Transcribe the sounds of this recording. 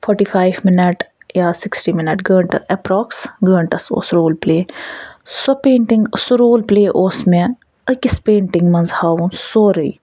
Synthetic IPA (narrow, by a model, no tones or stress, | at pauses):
fʰɔʈiːfʰaːjʋmɪnɐʈ | jaːsɪksʈiːmɪnɐʈɡəːɳʈɐ̰ʔɛpɾɔːksɡəːɳʈɐso̰ːsɾoːlpleː | sɐpeːɳʈɪŋɡsuɾoːlpleːʔoːsmẽ | əkɪspeːɳʈɪŋɡmɐnzhaːwũnsoːɾəi